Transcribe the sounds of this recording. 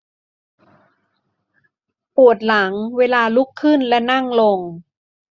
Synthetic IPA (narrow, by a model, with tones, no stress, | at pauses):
pu˨˩ət̪̚la˩˦ŋweː˧laː˧lu˦˥kʰːɯ˥˩nlɛ˦˥na˥˩ŋlo˧ŋ